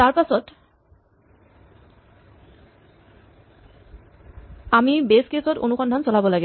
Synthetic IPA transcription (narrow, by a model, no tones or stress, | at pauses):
t̪aɹpasɔt | amibeskesɔtonuxɔndʱɔnt͡solabɔlaɡɛ